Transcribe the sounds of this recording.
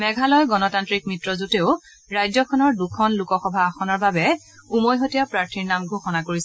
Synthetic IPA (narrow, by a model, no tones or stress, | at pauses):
mɛɡʱalɔjɡɔnɔtantɹik̚mitɹɔzuteʊ | ɹajzɔkʰɔnɔɹdukʰɔnlukɔxɔbʱaːxɔnɔɹbabɛ | umojɦotijapɹaɹtʰiɹnamɡʱoxɔnakoɹisɛ